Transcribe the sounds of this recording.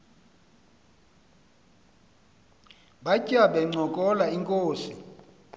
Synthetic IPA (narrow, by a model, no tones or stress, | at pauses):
ɓacʼaɓɛŋ͡ǀʱɔkʼɔlaiŋkʼoːsi